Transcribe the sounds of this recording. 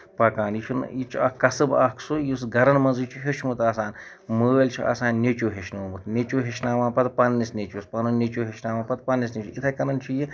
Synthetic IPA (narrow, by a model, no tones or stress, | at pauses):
pɐkaːnjiʃʰunit͡ʃʰuɐkɐsɨbaːkʰsujus̬ɡɐɾɐnmɐnzɨt͡ʃʰuɦet͡ʃʰmut̪aːsaːn | məɐlʲt͡ʃʰia̰ːsaːnːet͡ʃuɦeʃnoːmut̪ʰnʲet͡ʃuːɦeʃnaːʋãːnpɐt̪pɐnːisnʲet͡ʃuspɐnunʲet͡ʃuɦeʃnaːʋaːpɐt̪̚pɐnːisnʲet͡ʃʰuit̪ʰɐkɐnɐnt͡ʃʰuji